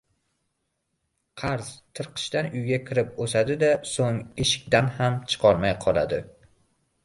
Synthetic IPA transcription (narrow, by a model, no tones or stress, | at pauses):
qʰɑɾz̥t̪ʰɨɾqʰɨ̥ʃt̪anʊjɡʲakʲʰɪɾɪposad̪ɪd̪asoŋeʃɪ̥kʲt̪anhamt͡ʃʰɨ̥qʰɒɾmajqʰɒlˠa̰d̪ɪ